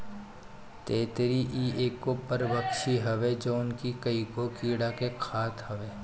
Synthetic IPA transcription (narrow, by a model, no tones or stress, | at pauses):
t̪eːt̪ɾiʔiːeːkːopəɾbəkʃiɦɐʋed͡ʒoːʊnkikəikokiːɽakekʰaːt̪ɦɐʋeː